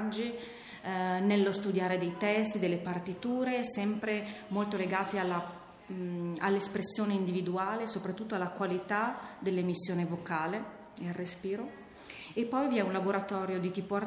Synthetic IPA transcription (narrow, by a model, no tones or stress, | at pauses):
d͡ʒːi | nelːost̪ud̪jaːɾed̪ejt̪ɛst̪id̪elːepart̪it̪uːɾesɛmpɾemolt̪oleɡaːt̪ealːa | a̰lːespɾesːjoːneind̪ivid̪uaːlesopɾat̪ːut̪ːoalːakwalit̪ad̪elːemisːjoːnevokaːle | ealrespiːɾo | epːɔjviɛunlaboɾat̪ɔːɾjod̪it̪iːpoar